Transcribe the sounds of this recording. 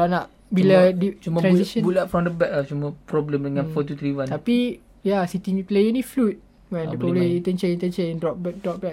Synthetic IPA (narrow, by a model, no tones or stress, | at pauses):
ɾanaʔ | biladit͡ʃumãɾbãnsiʃə̃bulaʔfɾɔ̃mdəbɛk̚laht͡ʃumə̃pɾɔbləmdəŋãnfɔt̪ut̪ɾiwãnt̪api | jasit̪iplejənĩflut̪̚ | wɛ̃nioliint̪ənt͡ʃeĩnt̪ənt͡ʃenndɔpbɛdɔp̚bɛk